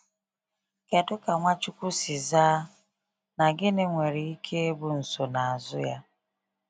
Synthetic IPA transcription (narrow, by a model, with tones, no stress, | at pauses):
kɛ˨dʊ˦ka˨ŋʷa˦t͡ʃʊ˦ku˦sɪ˨zaː˦ | na˨ɡɪ˦nɪ˦ŋʷe˨ɾe˨i˦kʰe˦e˦bʊ˦n̩˨so˨na˨a˨zʊ˦ja̰˦